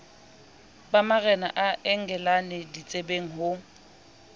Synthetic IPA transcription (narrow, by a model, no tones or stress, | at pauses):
bamaɣɛnaʔaʔɛŋ̩ɡɛlanɪdit͡sʼebeŋ̩ɦʊ